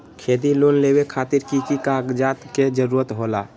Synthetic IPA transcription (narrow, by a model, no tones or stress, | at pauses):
kʰed̪ilonlebekʰat̪iɾkikikaɡd͡ʒat̪ked͡ʒəɾuːɾət̪ɦola̰